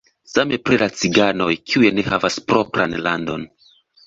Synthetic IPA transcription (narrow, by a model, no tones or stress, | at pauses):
same̞pɾilat͡siɡano̞jkʰiujene̞havaspɾo̞pɾanlando̞̰n